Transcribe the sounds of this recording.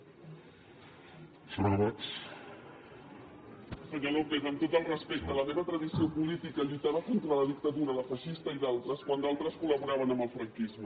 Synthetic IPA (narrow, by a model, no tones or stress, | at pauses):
suɾβɔt͡s | səɲolopet̪əmt̪ot̪əlˠrəspek̚t̪ələmeβət̪ɾəðisiopulit̪ikəʎujt̪aβəkont̪ɾələðik̚t̪əðuɾələfəʃist̪əiðalˠt̪ɾəskwand̪alˠt̪ɾəskuləβuɾaβənəmbəlˠfɾəŋkizmə